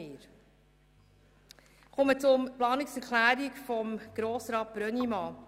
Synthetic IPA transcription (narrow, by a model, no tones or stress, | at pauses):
ɪːɾ | χɔmət͡sʊmplɑːnɪksɛɾkʰlæːɾikfɔmɡ̥ɾoːsɾɑːt̚b̥ɾœnimɑː